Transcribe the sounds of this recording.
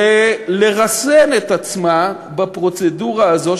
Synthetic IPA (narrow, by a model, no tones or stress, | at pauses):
eleʁasenet̪at͡sma | bapʁo̞t͡seduʁaːzo̞